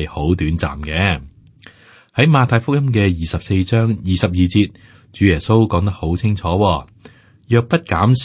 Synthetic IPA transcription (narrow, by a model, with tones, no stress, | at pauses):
jho˨˥wt̪yː˨˥nt͡sa̰ː˨mkɛː˨˧˥ | hɐ˨˥jmaː˨˧t̪ʰaː˧jfʊ˥k̚jɐ˥mk̬ɛː˧jiː˨sɐ˨p̚se˧jt͡ʃœː˥ŋjiː˨sɐ˨p̚jiː˨˩t͡siː˧t̚ | t͡ʃyː˨˥jɛː˨˩so˥wkɔː˨˥ŋt̪ɐ˥k̚ho˨˥wt͡sʰɪ˥ŋt͡ʃʰɔː˨˥wɔː˧ | jœː˨˧k̚pɐ˥t̚kaː˨˥ms